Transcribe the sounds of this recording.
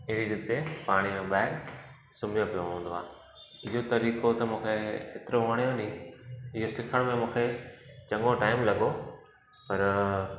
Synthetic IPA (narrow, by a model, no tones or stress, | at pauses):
ɪɦɪɽiɗɪt̪epaːɽ̃imẽɓaːɦɪɾ | sʊmijõpijoɦũːnd̪oa̰ː | ɪɦot̪ɐɾiːkot̪ɐmũːkʰeeːt̪ɪɾoʋɐɽ̃ijõnĩɪɦosɪkʰəɽ̃mẽmũːkʰet͡ɕɐ̃ŋɡoʈaːɪmlɐɠo | pɐɾ